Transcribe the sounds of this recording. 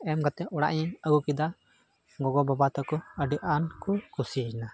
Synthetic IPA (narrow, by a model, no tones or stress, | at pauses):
ɛmɡat̪ɛɔɽa̰ʔɲɛəɡukid̪a | ɡɔɡɔbabat̪ɔkɔəɖiʔankɔkusid͡ʒna